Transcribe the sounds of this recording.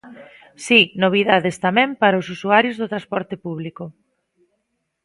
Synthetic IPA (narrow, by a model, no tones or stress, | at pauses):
sinoβ̞iðaðest̪amɛ̃mpaɾɐʊsusuaɾjʊzðot̪ɾaspɔɾt̪ɪpuβlikʊ